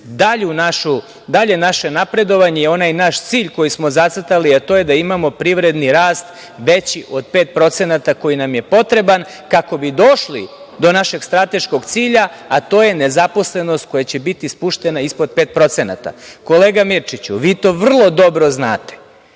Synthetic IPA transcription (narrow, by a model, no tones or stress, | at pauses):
d̪aʎunaʃu | d̪aʎenaʃenapɾe̞d̪o̞ʋaɲejeo̞najnaʃt̪siːʎko̞jismo̞zat̪s̩t̪aliat̪o̞ːje̞d̪aimamo̞pɾiʋɾe̞d̪niɾaːst̪ | ʋet͡ɕiʔo̞d̪̚peːt̪̚pɾo̞t̪senat̪ako̞jinamje̞po̞t̪ɾe̞ban | kako̞bid̪o̞ʃli | d̪o̞naʃe̞ɡst̪ɾat̪e̞ʃko̞ɡt̪siːʎaat̪o̞ːje̞nezapo̞sle̞nost̪̚ko̞jat͡ɕe̞bit̪ispuʃt̪e̞naispod̪̚peːt̪̚pɾo̞t̪sena̰t̪a̰ko̞leːɡamiɾt͡ʃit͡ɕuʋiːt̪o̞ːʋr̩lˠo̞d̪o̞bɾo̞znaːt̪e̥